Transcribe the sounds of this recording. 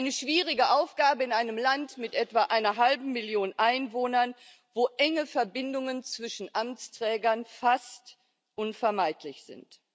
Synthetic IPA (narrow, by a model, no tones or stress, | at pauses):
ʔaɪnəʃv̥iːʁɪɡəʔaʊfɡ̥aːbəɪnʔaɪnəmlantmɪtʔɛtv̥aːʔaɪnɐɦalbm̩mɪljoːnʔaɪnvoːnɐn | voːʔɛŋəfɛɐbɪndʊŋənt͡sv̥ɪʃn̩ʔamt͡stʁ̥ɛːɡɐnfast | ʔʊnfɛɐmaɪtʰlɪçz̥ɪ̰nt